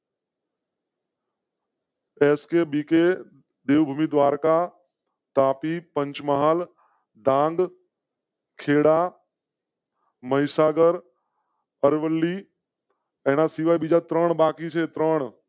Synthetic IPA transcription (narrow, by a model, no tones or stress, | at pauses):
eːskebike | d̪eːʋbʱumid̪ʋaːɾka | t̪aːpipə̃ɲt͡ʃməɦaːl | d̪ãːŋɡ | kʰeːɽa | məɦɪsaːɡəɾ | əɾʋəlːi | ɛːnasiʋajbid͡ʒat̪ɾəɳ̃baːkit͡ʃʰet̪ɾəɳ̃